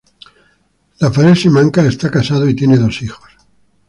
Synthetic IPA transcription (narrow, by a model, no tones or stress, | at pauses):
lafaɾelsimãŋkae̞st̪akasað̞oit̪je̞ne̞ðo̞sixo̥s